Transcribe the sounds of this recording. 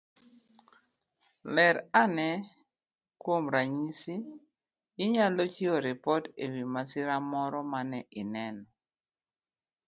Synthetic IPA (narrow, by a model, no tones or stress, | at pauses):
lɛɾanɛ | kwomɾaɲisiː | ɲalɔt͡ʃiɔɾɪpɔtewimasɪɾamɔɾɔmanɛʔɪnɛnɔ